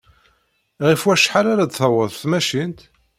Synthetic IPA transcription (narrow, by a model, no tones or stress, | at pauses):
ʁifwæʃħaɾaɾad̪θəwəðˤθmæʃint̪